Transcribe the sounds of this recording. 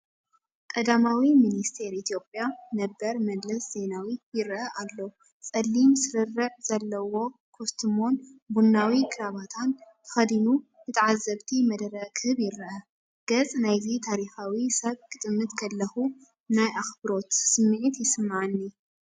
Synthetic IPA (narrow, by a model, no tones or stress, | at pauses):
kʼɐd̪amawiminist̪ʰe̞ɾʔit̪ʰjo̞pʼjanɐbːɐɾmɐd̪lɐsz̥e̞nawijɪɾʔɐʔalːɐ | t͡sʼɐlːimsɨɾɨrɐʕz̥ɐlːɐwo̞kʰost̪ʰɨmo̞nbunːawikʰʼɨɾaβat̪ʰant̪ʰɨ̥xɐd̪inu | nɨt̪ʰɐʕazːɐβt̪ʰimɐd̪ɾɐkʰɨhɨβjɪɾʔɐ | ɡ̥ɐt͡sʼnajzit̪ʰaɾixawisɐβkʼɨt̪ʼɨmɨt̪kʰɐlːɐxu | najʔaxbɨɾo̞t̪sɨmːʕit̪jɪsɨmːaʕanːi